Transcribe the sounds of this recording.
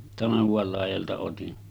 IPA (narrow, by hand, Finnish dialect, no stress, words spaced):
tɑnɑhuʋɑl lɑˑijɑltɑ otin